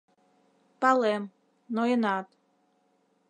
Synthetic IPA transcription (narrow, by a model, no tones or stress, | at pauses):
pɑlem | noenɑt̪